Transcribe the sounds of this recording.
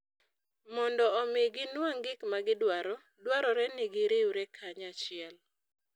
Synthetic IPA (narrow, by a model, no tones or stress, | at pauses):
mɔndɔːmɪɡɪnwaŋɡɪkmaɡɪdwaɾɔ | dwaɾɔɾɛnɪɡɪɾɪuɾɛkʰaɲat͡ʃɪɛl